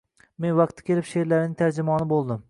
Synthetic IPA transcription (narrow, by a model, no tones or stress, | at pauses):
menwɑq̚t̪ʰːɪ̥kʲʰelɪpʃeɾlæɾnɪŋt̪ʰæɾd͡ʒɪmɒːnɪbolˠd̪ɪm